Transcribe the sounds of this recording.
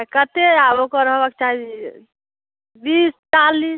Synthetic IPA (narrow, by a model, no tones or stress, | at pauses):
kət̪eabokɔɾəɦbaket͡ʃaɦi | bist͡ʃalis